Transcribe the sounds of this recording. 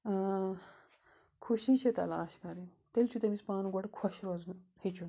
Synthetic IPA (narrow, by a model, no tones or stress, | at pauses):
kʰuɕĩɕet̪a̰laːɕkaɾi | t̪elt͡ɕʰut̪emit͡spaːnuɡoɽkʰɔɕɾoznuhet͡ɕun